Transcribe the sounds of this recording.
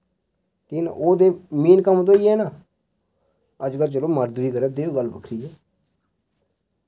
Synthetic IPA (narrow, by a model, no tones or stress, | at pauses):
kiːna̰ʔoːd̪eːmiːnkəmt̪̬õːiːɛːnaː | əd͡ʒkəlt͡ʃəloːməɾd̪ʋiːkəɾɛːd̪eːoɡəlbə̰kʰɾiːd͡ʒɛː